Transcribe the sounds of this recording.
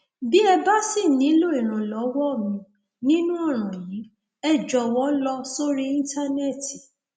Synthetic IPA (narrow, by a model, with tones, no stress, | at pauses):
bi˦ɛ˧ba˦si˦˨nĩ˨˦lo˦i˨ɾ̃ã˨lɔ˨˦wɔ˦˨mĩ˨˦ | nĩ˦nũ˦ɔ˦˨ɾ̃ã˨jĩ˨˦ | ɛ˦˨d͡ʒɔ˨wɔ˨˦lɔ˧so˦ɾi˦ĩ˦n˦ta˦nɛ˦˨ti˨